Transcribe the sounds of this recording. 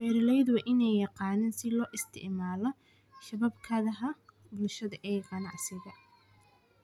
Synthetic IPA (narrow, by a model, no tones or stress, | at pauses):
fɛːɾɪlɛjd̪wɑːʔɪnɛjjɑqɑːnɛːnsɪlɔːʔɪst̪ʰɪ̰ʕmaːlɔ | ʃɐβɐbkʰɐðɐɦɐ | bʊlʃɐðɐʔɛːqɑnɑʕsɪɣɐ